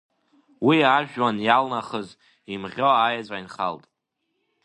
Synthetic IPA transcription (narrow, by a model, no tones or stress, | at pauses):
wiaʒᶣwanjalnaχəz | imʁʲo̞ajad͡zʷʼainχa̰ltʼ